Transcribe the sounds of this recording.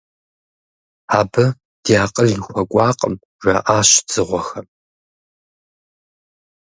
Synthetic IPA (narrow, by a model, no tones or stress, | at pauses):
aːbɐ | d̥iaːqʼərjɪxʷɐkʷʼɑːqʼə̰m | ʒʷɐʔaːɕz̥ɨʁʷɔxɐm